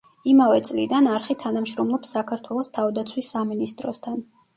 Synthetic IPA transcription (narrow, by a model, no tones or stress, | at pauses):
imavɛt̪sʼlid̪anaɾχit̪ʰanamʃɾɔmlˠɔpsːakʰaɾt̪ʰwɛlˠɔst̪ʰavd̪at̪sʰwisːaminist̪ʼɾɔst̪ʰan